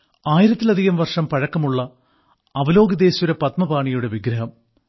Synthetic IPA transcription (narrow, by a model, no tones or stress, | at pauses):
aːjiɾɐt̪ːilɐd̪ʱiɣɐmʋɐrʂɐmpɐɻɐkːɐmuɭːɐː | ʋɐlo̞ːɡɐd̪e̞ːɕuɾepɐt̪mɐbaːɳijuɽe̞ʋiɡɾɐɦɐm